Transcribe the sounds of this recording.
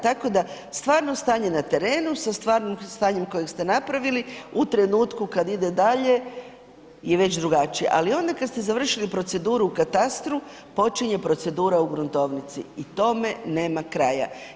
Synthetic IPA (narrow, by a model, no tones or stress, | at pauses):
t̪ako̞d̪ast̪ʋaːɾno̞st̪aːɲe̞nat̪e̞ɾe̞ːnusast̪ʋaːɾnomst̪aːɲe̞mko̞jekst̪e̞napɾaʋiliut̪ɾe̞nuːt̪kukad̪id̪ed̪aʎe̞ | jeʋe̞t͡ɕd̪ɾuɡat͡ʃije̞̰ʔalio̞nd̪akad̪st̪e̞zaʋr̩ʃilipɾo̞t̪se̞d̪uːɾuukat̪ast̪ɾu | po̞t͡ʃiɲe̞pɾo̞t̪se̞d̪uːɾauɡɾunt̪o̞ʋnit̪sḭit̪o̞me̞ne̞ːmakɾaja̰